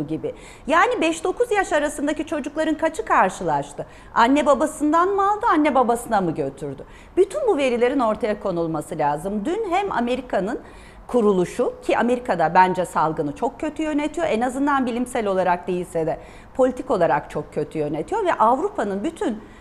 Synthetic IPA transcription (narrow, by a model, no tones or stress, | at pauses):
ɟibɪ | jaːnibɛʃd̪o̞kʰuzjaʃaɾasɯnd̪acit͡ʃʰo̞d͡ʒuklˠaɾɯnkʰat͡ʃʰɯkʰaɾʃɯlˠaʃt̪ʰɯ | anːɛbabasɯnd̪anmɯalˠd̪ɯanːɛbabasɯnamɯɟø̞t̪ʰyɾd̪y | b̥yt̪ʰynbuve̞ɾilʲe̞ɾino̞ɾt̪ʰajakʰo̞nulˠmasɯlʲaːzɯmd̪ynɦɛma̰me̞ɾikʰanɯn | kʰuɾulˠuʃucʰiʔame̞ɾikʰad̪abænd͡ʒɛsalˠɡɯnɯt͡ʃʰo̞k̚cʰːø̞t̪ʰyjø̞net̪ʰijo̞ʔenazɯnd̪anbilʲimsælʲo̞lˠaɾak̚d̪e̞jilʲsɛd̪ɛ | pʰo̞lʲit̪ʰiko̞lˠaɾakt͡ʃʰo̞kcʰːø̞t̪ʰyjø̞ne̞t̪ʰijo̞ɾvɛʔavɾupʰanɯnbyt̪ʰyn